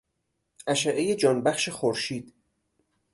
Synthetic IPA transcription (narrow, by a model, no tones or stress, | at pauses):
ʔæʃæʔejed͡ʒɒːnbæxʃexoɾʃiːd̪̥